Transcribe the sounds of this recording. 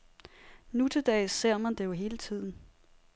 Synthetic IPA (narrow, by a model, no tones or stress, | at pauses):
nut͡sʰəd̥ɛːɪse̝ɐ̰mænd̥e̝jo̝ɦe̝ːlət͡sʰið̞̰ˠn̩